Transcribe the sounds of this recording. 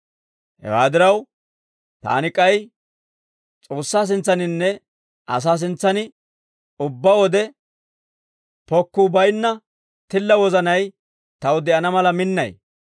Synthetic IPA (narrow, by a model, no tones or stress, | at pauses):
hɛ̰wa̰ːd̪ɪɾɐw | t̪a̰ːnɪkʼɐj | t͡sʼo̞ːsːaːs̬ɪnt͡sːɐnɪnːɛ | ʔɐ̰s̬aːs̬ɪnt͡sːɐnɪ | ʊbːɐwɔd̪ɛ | pɔkːʊbɐjnːɐ | t̪ɪlːɐwɔzɐnɐj | t̪ɐwd̪ɛʔɐnɐmɐlɐmɪnːɐ̰j